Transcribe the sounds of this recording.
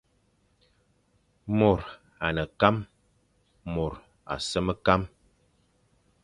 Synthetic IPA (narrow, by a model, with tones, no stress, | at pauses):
mo˨ɾ | a˨nə˨ka˦m | mɔ˨ɾ | a̰˨sə˦mə˦ka˦m